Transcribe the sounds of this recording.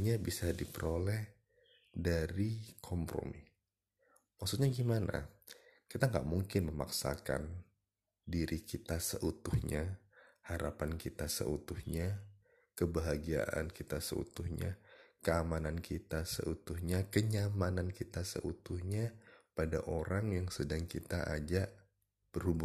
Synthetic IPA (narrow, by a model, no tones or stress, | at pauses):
ɲabisadipəɾolɛh | daɾikʰɔmpɾo̰mi | maksut̪̚ɲaɡimana̰kit̪aŋɡa̰ʔmuŋkɪnməma̰ksa̰ka̰n | diɾikit̪asə̰ʔut̪ʊhɲahaɾapankit̪asə̰ut̪ʊhɲa | kəbaɦaɡia̰ʔa̰nkit̪asə̰ṵt̪ʊhɲa̰kəamanankʰit̪asə̰ʔut̪ʊhɲakəɲamanankit̪asə̰ʔut̪ʊhɲapada̰ʔoɾaŋjaŋsədaŋkit̪aʔa̰d͡ʒaʔ | b̥ərhubʊ